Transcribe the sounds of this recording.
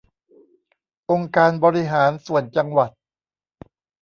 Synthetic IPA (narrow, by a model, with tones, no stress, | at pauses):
ʔo˧ŋkaː˧nbɔː˧ɾi˦ɦaː˩˦nsu˨˩ənt͡ɕa˧ŋwa˨˩t̪̚